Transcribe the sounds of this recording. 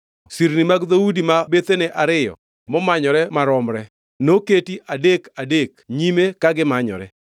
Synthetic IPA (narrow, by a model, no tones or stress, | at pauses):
siɾnimaɡðoudimabet̪eneʔaɾɪjɔ̰ | mɔmaɲɔɾɛmaɾɔmɾɛ | noketiʔadekadekɲimekaɡɪmaɲɔ̰ɾɛ